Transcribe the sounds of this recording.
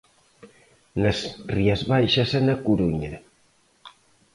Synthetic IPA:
nɐsriɐzβajʃɐsɛnɐkuɾuɲɐ

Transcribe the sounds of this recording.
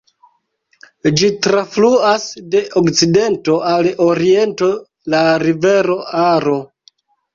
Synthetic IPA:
d͡ʒitɾafluasde̞ʔokt͡side̞nto̞aloɾie̞nto̞ | laɾive̞ɾo̞aɾo̞

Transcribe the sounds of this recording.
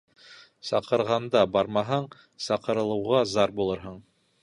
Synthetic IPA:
sɑqɤ̆ɾʁɑnd̪ɑbɑɾmɑɦɑɴ | sɑqɤ̆ɾɤ̆lˠɤ̆wʁɑzɑɾbulˠɤɾɦɤɴ

